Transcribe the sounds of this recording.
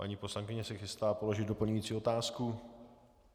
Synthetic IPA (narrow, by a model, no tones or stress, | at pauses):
a̰ɲiːpo̞slaŋkɪɲɛsɪxɪst̪aːpo̞lo̞ʒɪd̪do̞pl̩ɲujiːt͡siːo̞t̪aːsku